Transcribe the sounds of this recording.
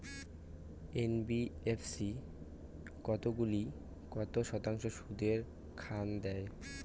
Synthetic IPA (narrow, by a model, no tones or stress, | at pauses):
enbiefʰsi | kɔt̪oɡuli | kɔt̪oʃɔt̪aŋʃoʃud̪eɾ | kʰand̪ɛe